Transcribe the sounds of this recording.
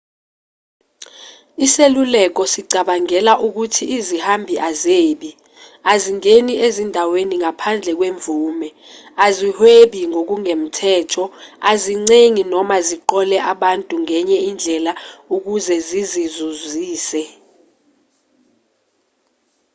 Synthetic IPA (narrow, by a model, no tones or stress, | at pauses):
iselulɛk̬ɔsiɡ͡ǀʱaɓaŋɛlaʔuk̬utʰiːzihambʱiʔazeːɓi | aziŋeniezindʱaweniŋapʰand͡ɮʱɛk̬weɱvuːmɛ | azihweɓiŋok̬uŋem̩tʰɛːtʰɔaziŋ͡ǀeŋinɔmaziǃɔlɛʔaɓantʼuŋɛɲɛind͡ɮʱɛlauk̬uzɛzizizuziːsɛ